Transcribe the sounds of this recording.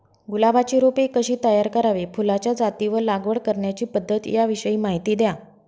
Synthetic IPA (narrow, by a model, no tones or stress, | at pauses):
ɡulaʋat͡ɕiːɾopekːəɕiːt̪əjaɾkəɾaʋefulat͡ɕjad͡zat̪iʋəlaɡʋəɽkəɾɳjat͡ɕiːpəd̪ʱːət̪jaʋiɕəiːmaɦit̪iːd̪ja